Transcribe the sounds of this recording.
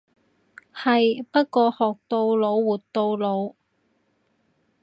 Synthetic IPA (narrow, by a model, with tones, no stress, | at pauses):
hɐ˨jpɐ˥t̚kɔː˧hɔː˨k̚t̪o˧wlo˨˧wːuː˨˩tt̪o˧wlo˨˧w